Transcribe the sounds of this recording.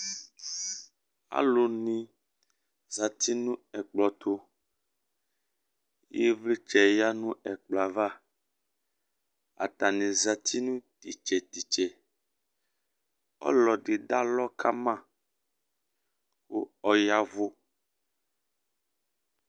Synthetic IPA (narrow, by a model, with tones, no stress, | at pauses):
a̰˨lo˨nĩ˨ | za˨t̪ʰi˦nũ˦ɛ˨k͡plɔ˨t̪ʰo˦ | je˦vli˦t͡ʃɛ˨ja˦nũ˦ɛ˨k͡pla˨va˦˨ | a̰˨t̪a˨nĩ˨za˨t̪ʰi˦nũ˦t̪i˨t͡ʃɛ˨t̪i˨t͡ʃɛ˨ | ɔ̰˦lɔ˨ɖe˨da˦lɔ˦kʰa˦mã˦˨ | xo˦ɔ˨ja˦vo˦